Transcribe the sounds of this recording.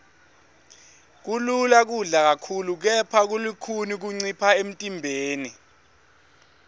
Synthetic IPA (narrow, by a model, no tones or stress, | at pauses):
k̬ululak̬uɮak̬akʰuluk̬ɛpʰak̬ulikʰunik̬uŋ͡ǀipʰaem̩tʼimbʱeːni